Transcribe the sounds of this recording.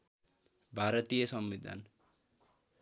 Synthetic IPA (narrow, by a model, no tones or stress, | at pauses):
bʱaɾʌt̪ijʌsʌmːid̪ʱa̰n